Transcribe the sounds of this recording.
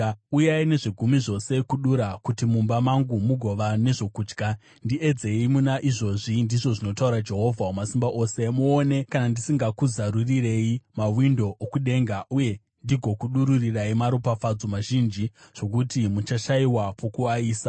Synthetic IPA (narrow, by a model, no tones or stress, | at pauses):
ujaine̞ʐiɡʱumiʐo̞se̞kuɗuɾakutimumbamaŋɡumuɡʱo̞ʋane̞ʐo̞kuːd͡ʒɡa | ndie̞d͡ze̞imunaʔiʐo̞ʐindiʐo̞ʐino̞tauɾad͡ʒe̞ɦo̞vʱaomasimbaʔo̞ːse̞muːne̞kanandisiŋɡakuzaɾurire̞imawindo̞ʔːkuɗe̞ŋɡauje̞ | ndiɡʱo̞kuɗuɾuriraimaɾupafad͡zo̞maʒind͡ʒiʐ̥o̞k̬utimut͡ʃaʃaiwapʰo̞kuaiːsa